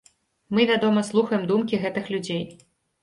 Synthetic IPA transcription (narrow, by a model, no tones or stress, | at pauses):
mɨvʲad̪ɔmɐslˠuxɐjɛmd̪umkʲiɣɛt̪ɨxlʲud͡zʲej